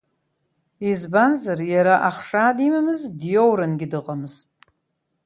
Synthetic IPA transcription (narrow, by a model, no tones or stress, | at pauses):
izbanzarjaɾaʔaχʂaːdimamɨzdjowɾɨnɡʲɪdɨqʼamɨztʼ